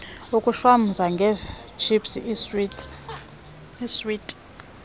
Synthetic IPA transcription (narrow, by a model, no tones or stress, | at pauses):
ukʼuʃwam̩zaŋɡʱɛt͡ʃʰipsiʔ | iswitʼ